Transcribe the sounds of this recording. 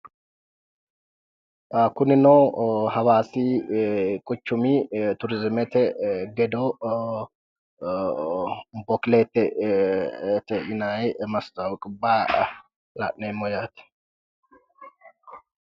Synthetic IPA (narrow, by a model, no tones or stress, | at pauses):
kʊnɪnɔhɐwaːsi | kʼʊt͡ʃːʊmit̪ʊɾɪzɪmɛt̪ɛɡɛd̪ɔ | bɔkleːt̪ːɛ | t̪ɛʔɪnajmɐst̪ɐwkʼɪbːaː | la̰ʔnɛmɔjaːt̪ɛ̥